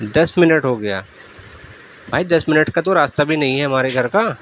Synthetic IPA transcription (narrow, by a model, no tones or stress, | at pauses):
d̪ɐsmɪnəʈɦoɡɐja̰ː | bʱaːid̪ɐsmɪnəʈkat̪oɾaːst̪abʱinɐɦĩɦɛɦɐmaːɾeɡʱɐɾkaː